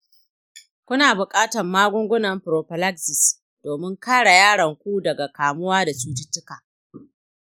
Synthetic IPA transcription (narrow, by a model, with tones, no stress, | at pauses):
kʷʊ˦naː˨bʊ˨kʼaː˦tɐ˨mːaː˦ɡʷʊ˦ŋɡʷʊ˦nɐ˨mɸʊ˨ɾoː˨ɸɪ˨la˦ksɪ˨s | d̥oː˨mɪ˦ŋkaː˦ɽa˨jaː˦ɽɐ˨ŋkʷuː˦dɐ˨ɡa˨kaː˨mʊ˦waː˦da˨suː˦d͡ʒɪ˦tːɪ˦kaː˨